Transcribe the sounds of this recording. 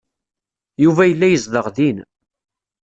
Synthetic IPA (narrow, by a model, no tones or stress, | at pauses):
juvæjəlːæjəzðəʁðin